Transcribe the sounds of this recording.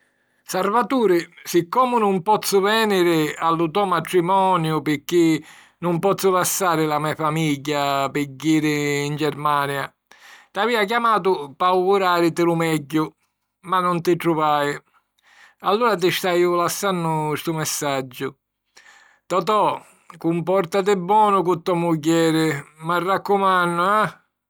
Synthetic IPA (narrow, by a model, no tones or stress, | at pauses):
saɾvat̪uːɾɪsɪkːɔːmʊnʊmpɔt̪sːʊvɛːnɪɾɪalːut̪ɔmat̪ɾimɔːnjʊpɪkːi | nʊmpɔt̪sːʊlasːaːɾɪlamɛfamiʎːapɪɟːiːɾɪːnd͡ʒɛɾmaːnja | t̪aviːak̬jamaːt̪̬ʊpawɣuɾaːɾɪt̪ɪlumɛɟːʊ | manːʊnt̪ɪʈ̪ɾuvaːɪ | alːuːɾat̪̬ɪʃt̪aiʊlasːanːʊst̪umɛsːad͡ʒːʊ | t̪ɔt̪ɔ | kumpɔɾt̪at̪̬ɪbːɔːnʊkut̪ːɔmuɟːɛːɾɪmarːakːumanːʊa